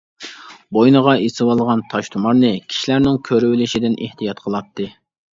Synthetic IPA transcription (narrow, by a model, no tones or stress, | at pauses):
bojnəʁɑesɨwɑlˠʁɑnt̪ʰɑʃt̪ʰumɑɾnɨkʲʰi̥ʃilæɾnɪŋkʲʰøɾywɪlɪʃid̪ɪnʔeht̪ijɑt̪̚qʰəlˠɑt̪ːɨ